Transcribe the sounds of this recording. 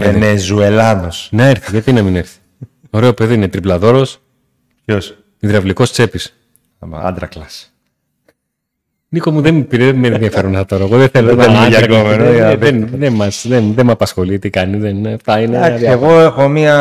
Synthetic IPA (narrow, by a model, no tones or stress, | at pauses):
enezuelɐðosnɐe̞ɾθiʝɐt̪inɐmine̞ɾθi̥ | oɾe̞o̞peðiinet̪ɾiplɐðo̞ɾo̞s | pços | iðɾɐvliko̞st͡se̞pis | ɐm̰ɐ̰nd̪ɾɐklɐs | niko̞muðempiɾeðemenðiɐfe̞ɾonest̪ɐt̪o̞ɾɐeɣoðeθelonɐɐɾɐkɡomenoenðemɐsðenðemɐpɐsxo̞lit̪ikɐniðenft̪ɐineaɐðeɣo̞exomiɐ